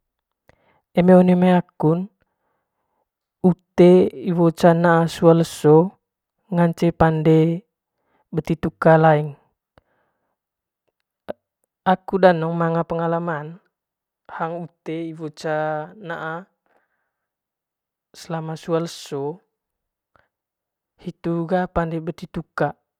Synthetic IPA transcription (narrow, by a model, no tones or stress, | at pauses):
emeonemaakun | ut̪eiwot͡ʃanaʔasualəsɔ | ŋaɲt͡ʃepande | bət̪it̪ukalaiŋ | akudanɔŋmaŋapəŋalaman | haŋut̪eibot͡ʃanaʔa | səlamasualəso | hit̪uɡapandɛbət̪it̪uka